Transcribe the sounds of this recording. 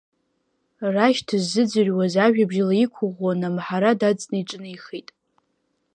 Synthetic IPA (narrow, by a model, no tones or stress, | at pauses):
raʃtʰɨzːɨd͡zɨrʲwazaʒᶣabʒalaikʷʰʊʁwanamħaɾadad͡zʼnɨiʈ͡ʂʼnɨiχejtʼ